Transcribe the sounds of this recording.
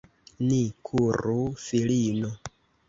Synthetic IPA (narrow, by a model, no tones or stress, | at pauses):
nikʰuɾufilino